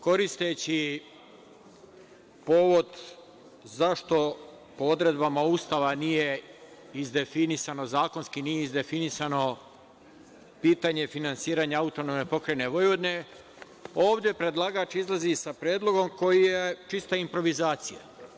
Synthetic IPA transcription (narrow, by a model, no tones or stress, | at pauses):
ko̞ɾist̪e̞t͡ɕi | po̞ːʋo̞d̪ | zaʃt̪o̞ | pood̪ɾe̞d̪bamauːst̪aʋanije̞ | izd̪e̞finisano̞zaːko̞nskinijeizd̪e̞finisano̞ | piːt̪aɲe̞finansiːɾaɲaaut̪o̞nomnepo̞kɾejne̞ʋo̞jʋo̞d̪ne̞ | o̞ːʋd̪je̞pɾe̞d̪lˠaɡaːt͡ʃizlˠazisapɾjeːd̪lˠo̞ɡo̞mko̞jijet͡ʃist̪aimpɾo̞ʋizaːt̪sija̰